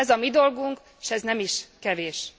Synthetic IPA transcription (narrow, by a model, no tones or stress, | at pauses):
ɛzɒmid̪o̞lɡuŋkː | ʃɛznɛmiʃkɛveːʃ